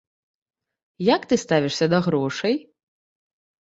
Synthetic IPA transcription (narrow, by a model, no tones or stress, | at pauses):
jɐkt̪ɨst̪avʲiʂsʲɐd̪ɐɣɾɔʂɐj